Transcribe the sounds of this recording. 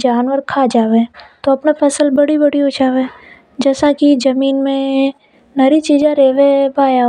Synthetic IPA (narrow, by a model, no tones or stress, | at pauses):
d͡ʒaːnʋəɾkʰad͡ʒaːʋet̪oɐpnapʰɐsəlbɐɽibəɽiot͡ʃaːʋẽ | d͡ʒɛːsãkid͡ʒɐmiːnmẽ | nɐɾit͡ʃiːd͡ʒãɾeːʋebaːja